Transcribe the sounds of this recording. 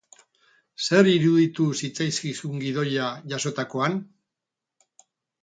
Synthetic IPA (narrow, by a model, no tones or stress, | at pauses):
se̞ɾiɾuðit̪usit͡sajskisuŋɡiðo̞jaʝaso̞t̪ako̞an